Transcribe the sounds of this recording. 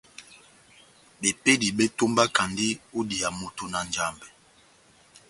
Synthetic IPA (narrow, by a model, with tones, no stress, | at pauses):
be˨pe˦di˨ɓe˦to˦mba˦ka˨ndi˦u˦di˨a˨mo˦to˦na˨nd͡ʒa˦˨mbɛ˨